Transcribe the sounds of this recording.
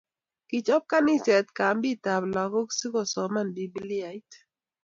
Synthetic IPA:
ki˨t͡ʃɔ˦p̚ka˦ni˦sɛ˨t̚ka˨mbi˦˨ta˨bla˨ko˦ksi˦kɔ˨sɔ˨ma˦˨nbi˨bi˦li˦a˨i˦t

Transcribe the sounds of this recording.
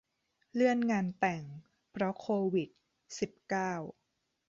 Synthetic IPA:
lɯ˥˩ənŋaː˧nt̪ɛ˨˩ŋ | pʰɾɔ˦˥kʰoː˧wi˨˩t̪̚ | si˨˩p̚kaː˥˩w

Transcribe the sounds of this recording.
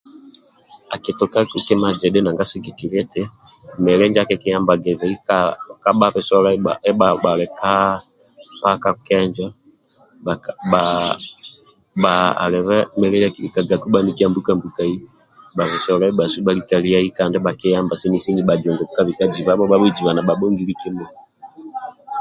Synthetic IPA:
a˨kɛ˨tɔ˨ka˦ku˦kɛ˦ma˨d͡ʒɛ˨ɗɛ˦na˨ŋɡa˦sɛ˦ɡɛ˨ki˨ɾɛ˦tɛ˦ | mɛ˨lɛ˦ɲd͡ʒa˦kɛ˦kɛ˦ja˦mba˨ɡɛ˨vɛ˨i˦kaka˦ɓa˦βɛ˨sɔ˦la˦iɓa˨ʔɛ˦aɓa˨lɛ˨ka˦ | paka˦kɛ˦ɲd͡ʒa˦ | a˨ɓa | ɓa˨a̰˨lɛ˨βɛ˦mɛ˨lɛ˦a˦ki˦i˨ka˨ɡa˨ku˦ɓa˦niki˦a˦mbu˦ka˦mbuka˨i˦ | ɓa˨βɛ˨sɔ˨la˦i˦ɓa˨su˦ɓa˦li˦ka˨li˦a˦i˦ka˨ndɛ˦ɓa˨kɛ˦ja˦mba˨sɛ˦ni˦si˦ni˦ɓa˨d͡ʒɔ˨ŋɡɔ˨ku˦ka˦βi˨ka˦d͡ʒi˨βa˦ɓɔ˦ɓa˦βɛ˦d͡ʒi˨βa˨na˨ɓa˨ɓɔ˦ŋɡi˦li˦ki˦mɛ˨

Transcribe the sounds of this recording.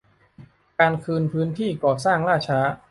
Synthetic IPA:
kaː˧nkʰɯː˧npʰɯː˦˥nt̪ʰiː˥˩kɔː˨˩saː˥˩ŋɾaː˥˩t͡ɕʰaː˦˥

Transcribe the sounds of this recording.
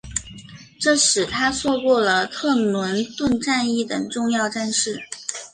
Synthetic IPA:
ʈ͡ʂɤ˥˩ʂɻ̩˨˩t̪ʰa˥swɔ˥˧kwɔ˥˩lə˩t̪ʰɤ˥˩nwə˧˥nt̪wə˥˧nʈ͡ʂa˥˧ni˥˩t̪ə˨˩ŋʈ͡ʂʊ˥˧ŋjɑ˥˧ʊʈ͡ʂa˥˧nʂɻ̩˥˩

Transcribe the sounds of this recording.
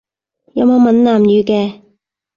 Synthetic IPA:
jɐ˨˧mo˨˧wmɐ˨˥nnaː˨˩mjyː˨˧kɛː˧

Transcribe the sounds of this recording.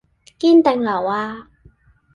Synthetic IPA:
kiː˥nt̪ɛ˨ŋlɐ˨˩waː˧

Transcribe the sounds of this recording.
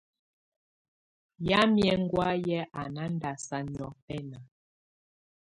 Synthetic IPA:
ja˦mjɛ˨ŋ˦ɡwa˦jɛ˦ʔa˨na˦n˦da˨sa˦ɲɔ˦pɛ˦na˨

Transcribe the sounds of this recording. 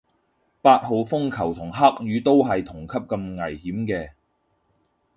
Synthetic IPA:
paː˧t̚ɦo˨˧wfʊ˥ŋkʰɐ˨˩wt̪ʰʊ˨˩ŋɦɐ˥k̚ɥyː˨˧˥t̪o˥wɦɐ˨jt̪ʰʊ˨˩ŋkʰɐ˥p̚kɐ˧mŋɐ˨˩jhiː˨˥mkɛː˧

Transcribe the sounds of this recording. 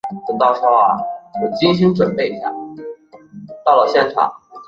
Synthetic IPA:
t͡sə˨˩t̪ɑ˥˧ʊʂɔ˥˩ʊa˨˩wɔ˨˩t͡ɕi˥ŋɕi˥ŋʈ͡ʂwə˨˩npe˥˧ɪi˧˥ɕja̰˥˩ | t̪ɑ˥˩ʊlə˩ɕjɛ˥˩nʈ͡ʂʰɑ̰˨˩˦ŋ

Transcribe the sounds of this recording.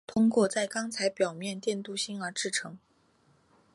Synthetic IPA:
t̪ʰʊ˥ŋkwɔ˥˧t͡sa˥˩ɪkɑ˥ŋt͡sʰa˧˥ɪpjɑ˨˩ʊmjɛ˥˧nt̪jɛ˥˧nt̪u˥˩ɕi˥nə˞˧˥ʈ͡ʂɻ̩˥˩ʈ͡ʂʰɤ˧˥ŋ

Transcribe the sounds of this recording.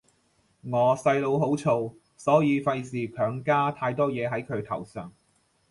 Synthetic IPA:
ŋɔː˨˧sɐ˧jlo˧wɦo˨˥wt͡sʰo˧w | sɔː˨˥jiː˨˧fɐ˧jsiː˨kʰœː˨˥ŋkaː˥t̪ʰaː˧jt̪ɔː˥jɛː˨˧ɦɐ˨˥jkʰɵ˨˧ɥt̪ʰɐ˨˩wsœː˨˩ŋ

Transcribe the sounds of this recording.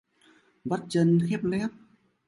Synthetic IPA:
ɓa˦˥t̚t͡ɕə˧nxɛ˦˥p̚lɛ˦˥p̚

